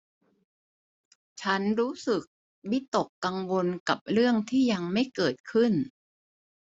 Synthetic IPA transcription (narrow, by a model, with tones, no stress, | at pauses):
t͡ɕʰa˦˥nɾuː˦˥sɯ˨˩k̚ | wi˦˥t̪o˨˩kːa˧ŋwo˧nka˨˩p̚ɾɯ˥˩əŋt̪ʰiː˥˩ja˧ŋma˥˩jkɤː˨˩t̪̚kʰɯ˥˩n